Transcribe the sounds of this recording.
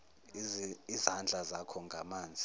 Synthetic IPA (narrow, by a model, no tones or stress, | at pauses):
izand͡ɮʱazakʰɔŋɡʱamaːnd͡zʱi